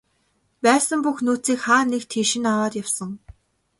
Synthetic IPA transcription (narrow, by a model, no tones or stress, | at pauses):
pæːsə̆mpuxnuːt͡siːkχaːnekt̪ʰiːʃɪ̆nawaːt̪jawsə̆ŋ